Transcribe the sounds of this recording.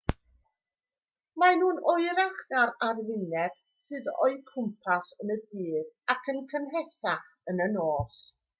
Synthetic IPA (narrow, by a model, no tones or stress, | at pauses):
manuːnɔɨɾaχdaɾarvɪnɛb̥ | sɨðɔ̰ɨkʰʊmpʰasənədiːðakʰənkʰənɦɛθaχ | ənənoːs